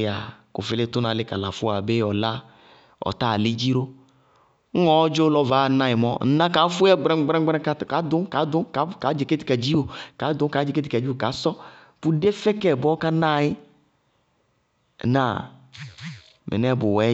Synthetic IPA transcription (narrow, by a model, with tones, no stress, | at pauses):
a˨kʊ̰˨fɪ˨lɪ˦tʊ˦nã˨lɪ˦ka˨la˨fʊ˦a˨be˦ɔ˨la˦ | ɔ̰˨ta˦˨li˦d͡ʒi˦ɾo˦ | ŋ̩˦ŋɔ˨˦ɔ˦d͡ʒo˦lɔ˦va˨˦˨nã˦jɪ˨mɔ˦n̩˦nã˦ka˨˦fʊ˦ɛ˦ɡ͡bɾɛ˦ɡ͡bɾɛ˦ɡ͡bɾɛ˦ka˦˨ka˨˦dʊ˦ka˨˦dʊ˨˦ka˨˦ka˨˦d͡ʒe˨ke˦ti˨ka˨d͡ʒi˦o˨ka˨˦dʊ˦ka˨˦d͡ʒe˨ke˦t̬i˨ka˨d͡ʒi˦o˨ka˨˦sɔ˦ | pu˦de˦fɛ˦kɛ˨bɔ˦ka˦na˦˨jɪ˦˨ | na˨ | mʔɛ̰˨nɛ˦˨bʊ˨wɛ˨˦